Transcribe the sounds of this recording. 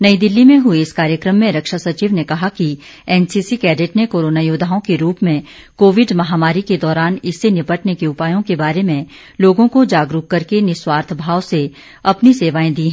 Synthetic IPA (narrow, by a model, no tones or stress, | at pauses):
nɐid̪ɪlːimẽɦʊeɪskaːɾjəkɾəmːẽɾɐkʃasɐt͡ʃiːʋnekɐɦaki | ɛːnsiːsikɛːɖeʈnekoːɾoːnaːjoːd̪ʱaːõkeɾuːpmẽ | koːʋɪɖmɐɦaːmaːɾiked̪ɔːɾaːnɪsːenɪpəʈnekeʊpaːjõkebaːɾemẽ | loːɡõkod͡ʒaːɡɾʊːɐɾkenɪswaːɾt̪ʰbʱaːʋse | ɐpniseːʋaːẽd̪iːɦɛ̃